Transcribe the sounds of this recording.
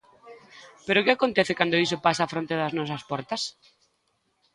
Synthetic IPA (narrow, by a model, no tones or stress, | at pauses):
peɾokɪakont̪ɛθɪkand̪ʊis̬opasaːfɾont̪eðɐznɔs̬ɐspɔɾt̪ɐs